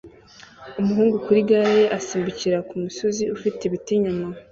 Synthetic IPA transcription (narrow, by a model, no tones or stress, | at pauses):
umuɦuːŋɡukuɾiɡaɾeʔasiːmbuciɾakumuso̞ziufiteβitiɲuma